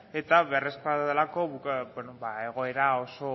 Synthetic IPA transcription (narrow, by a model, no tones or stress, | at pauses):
e̞t̪aβereskaðelako̞βukbenobaeɣ̞o̞e̞ɾao̞so̞